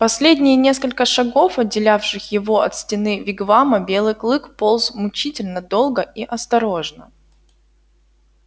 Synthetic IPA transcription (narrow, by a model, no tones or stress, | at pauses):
pɐsʲlʲedʲnʲɪjnʲe̞skəlʲkəʂɐɡo̞fɐdʲːɪlʲafʂɨxjɪvo̞ɐt̪sʲtʲɪnɨvʲɪɡvaməbʲe̞lˠɨjklˠɨkpolˠzmʊt͡ɕitʲɪlʲnəd̪o̞lˠɡəʔiʔɐst̪ɐɾo̞ʐnə